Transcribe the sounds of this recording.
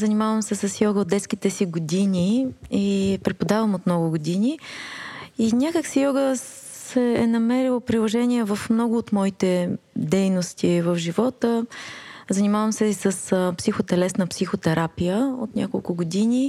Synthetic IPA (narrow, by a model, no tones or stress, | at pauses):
zənimavəmsɛsəsjɔɡəod̪ɛt̪sk̟it̪ɛsiɡod̪iniipɾɛpod̪avəmot̪mnɔɡʊɡod̪inʲi | inʲakəksijɔɡə | sɛːnɐmɛɾilˠopɾilˠoʒɛniɛvəfmnɔɡʊːt̪mɔit̪ɛd̪ɛjnost̪ʰivəfʒivɔt̪ə | zɐnimavəmsɛisəspsixot̪ɛlɛsnəpsixot̪ɛɾapijəo̰t̪nʲakolˠkʊɡod̪ini